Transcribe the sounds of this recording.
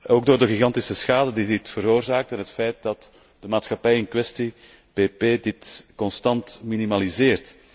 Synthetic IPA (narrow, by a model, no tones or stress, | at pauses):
oːɡ̚doːrdəɣiɣɑntisəsxaːdədidɪtfəɾoːrzaːk̚tɛnɦətfɛjt̚dɑt | d̥əmaːtsxɑpɛjɪnkwɛsti | peːpeːdɪtkɔnstɑntminimalizɪːrt